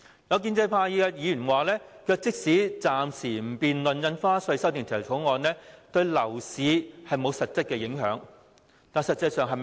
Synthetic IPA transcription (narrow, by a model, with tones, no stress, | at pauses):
jɐ˨˧wk̬iː˧nt͡sɐ˧jpʰaː˧jiː˧kɛ˧jiː˨˧jy˨˩nwaː˨lɛː˥kʰœː˧k̚t͡sɪ˥k̚siː˨˥t͡saː˨msiː˨˩m̩˨˩piː˨nlɵ˨njɐ˧nfaː˥sɵ˧˥sɐ˥wt̪iː˨˩nt̪ʰiː˨˩wtʰo˨˥wŋɔː˧nlɛː˥t̪ɵ˧ɥlɐ˨˩wsiː˨˧hɐ˨jmo˨˧wsɐ˨t̚t͡sɐ˥t̚kɛː˧jɪ˨˧˥ŋhœː˨˥ŋ | t̪aː˨nsɐ˨t̚t͡sːɐ˧jsœː˨ŋɦɐ˨